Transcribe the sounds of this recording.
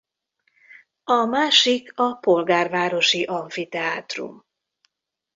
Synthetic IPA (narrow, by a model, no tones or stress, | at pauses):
ɒmaːʃikʰɒpo̞lɡaːrvaːɾo̞ʃiʔɒɱfit̪ɛaːt̪rṵm